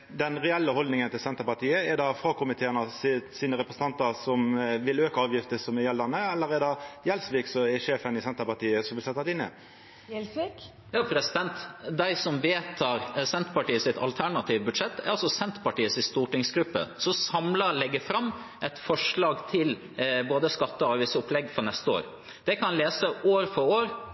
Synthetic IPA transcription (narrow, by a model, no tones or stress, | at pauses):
d̪ɛnɾɛɛlːəhɔld̪nɪŋənt̪ɪlsɛnt̪əɾpɑʈ̪iːəɛɖɑfɾɑːkʊmɪt̪ʰeːənɑsɪsiːnəɾɛpɾəsən̩t̪ɑnt̪əsɔmʋɪløːkəɑːʋjɪft̪əsɔmɛjɛld̪ɑnəɛlːəɾɛɖɑjɛlsʋiːksɔɛʂeːfənɪsɛnt̪əpɑʈiːəsɔmʋɪlsɛt̪ːɑt̪ɪnːɪ̰ | jɑːpʰɾɛsɪd̪ɛnt̪d̪æɪsɔmʋeːt̪ʰɑːɾsɛnt̪pɑʈiːəsɪt̪ʰɑ̰lt̪ʰæɳɑt̪ʰiːʋbʉd̪ʂɛt̪ːɛ̰ɾɑlsɔsɛnt̪pɑʈiːəsɪst̪uːʈɪŋsɡɾʉpːə̰sɔsɑmlɑlɛɡːəfɾɑmː | ʔɛɪt̪fɔʂɭɑːɡt̪ʰɪl | boːd̪əskɑt̪ːəɔɑːʋʋɪsəʊpʰlɛɡːfɾɔnɛst̪əo̰ːɾ | d̪̥ɛkʰɑnɑnleːsəoːɾfɔɾoːɾ